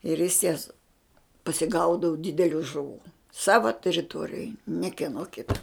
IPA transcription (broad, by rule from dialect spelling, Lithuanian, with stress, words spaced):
ɪr jɪs jɛs pɐsʲɪˈɡɐʊdɐʋʊ ˈdʲɪdʲɛlʲʊ ʒʊˈʋuː ˈsɑːʋɐ tʲɛrʲɪˈtuɔrʲɪjoːj nʲɛ kʲiɛˈnoː ˈkʲɪtɐ